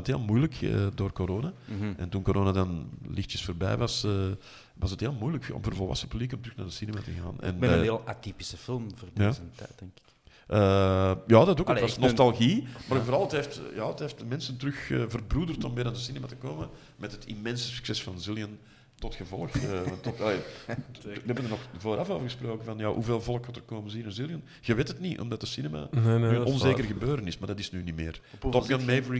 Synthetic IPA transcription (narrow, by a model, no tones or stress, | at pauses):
nətɦeːlˠmujləkə̰doːrkoɾoːnaʔɛntunkoɾʔoːnadɑnlɪxtjəsfoːrbɛ̰jʋɑsəː | ʋɑsətɦeːlˠmujləkɔ̰mvərvɔlˠʋɑ̰sənəpyblikɔmtəɾʏxnaːrdəsinema̰təɣa̰ːnɛ̰nəɦeːlˠatipi̥səfɪlˠmvərdjaːzənɛ̥ɛŋkɪ̥k | ʔəːjɑːdɑtoːkəʋɑsnɔstɑlˠɣimaːɾvoɾɑlˠətɦeːftjɑːətɦeːft̚dəmɛnsəntəɾʏxəvərbrudərtɔmbeɪːdandəsinɛmatəkoːmə | mɛtɦətimɛnsə̥sy̥ksɛsfɑnzɪlˠjən | tɔtxəvɔlˠəxəntːɔtɑleː | əɛbənənɔxvoːɾʔɑfoːvərɣəsproːkənvɑnja̰ːɦuveːlˠvɔlˠəkhɔtərkoːmənzinənzilˠjən | ɣəʋeːtətniʔɔ̰mdɑtəsinɛma̰nnyɔnzeːkərɣəbøːɾənɪsmaːrdɑtɪ̥snyːnimḛːrtɔpɡanmeːvəɹi